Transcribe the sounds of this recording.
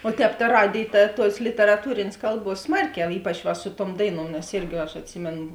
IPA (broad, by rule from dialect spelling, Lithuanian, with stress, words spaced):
oː ˈtʲɛːp tɐ ˈrɑːdʲeːj ˈtɐ ˈtuɔs lʲɪtʲɛrɐˈtuːrʲeːnʲeːs ˈkɐlˠˌbuɔs ˈsmɐrʲˌkʲɛʊ ˈiːpɐt͡ʃ ʋɐ sʊ tuɔm ˈdɐɪˌnuɔm nʲɛs ˈɪrʲɡʲɪ ɐʃ ɐtʲˈsʲɪmʲeːn